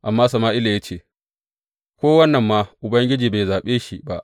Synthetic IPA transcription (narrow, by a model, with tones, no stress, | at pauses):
ʔa˨mːaː˦sɐ˨maː˦ʔɪ˦la˨ja˦t͡ʃeː˦˨ | kʷoː˦wɐ˦nːɐ˨mːaː˦ʔʊ˨bɐ˦ŋɡʲɪ˦d͡ʒiː˨be˨zaː˨ɓeː˦ʃi˦ba̰˦˨ʔ